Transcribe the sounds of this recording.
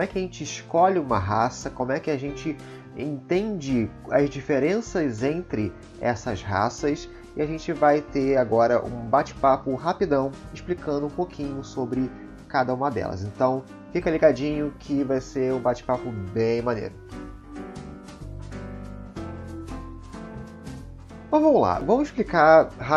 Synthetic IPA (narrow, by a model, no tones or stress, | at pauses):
kõmʊɛkɪɐʒẽnt͡ʃɪːʃkɔʎɪũmɐɦasɐkõmʊɛkɪaʒẽnt͡ʃɪ | ẽnt̪ẽnd͡ʒɪ | ɐzd͡ʒifeɾẽsɐzẽnt̪ɾɪ | ɛ̰sɐzɦa̰sɐs | ɪaʒẽnt͡ʃɪvajt̪eaɡɔɾɐʔṵ̃bat͡ʃɪ̥papʊɦapid̪ɐ̃w̃ɪʃplikɐ̃nd̪ʊũpokʰĩɲʊsobɾɪ | kad̪ɐũmɐd̪ɛ̰lɐ̰zẽnt̪ɐ̃w̃ | fikɐliɡad͡ʒĩɲʊkʰɪvajseɾũbat͡ʃɪ̥papʊbẽj̃mɐ̃nḛɾʊ | mõvɐ̃mʊla̰vɐ̃mʊɪʃplikaɦa